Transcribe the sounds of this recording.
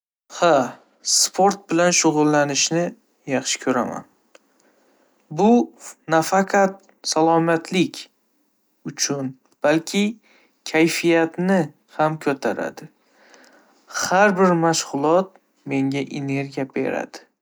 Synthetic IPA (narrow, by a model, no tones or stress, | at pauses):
ha | spʰo̞ɾt̪̚bɪlanʃʊʁʊlˠːanɪʃnɪ | jɑχʃɪ̥kʰɵɾa̰ma̰n | bʊnafaqʰɑt̪ | salˠɒmat̪ʰlɪkʲ | ʊt͡ʃʰʊn | b̥alkʲʰɪ | kʲʰajfijat̪nɪ | hamkʰɵt̪ʰaɾa̰d̪ɪ | haɾbɪɾmaʃʁʊlˠɒt̪̚ | me̞ŋɡʲaʔene̞ɾɡʲijabe̞̰ɾa̰d̪̥ɪ̥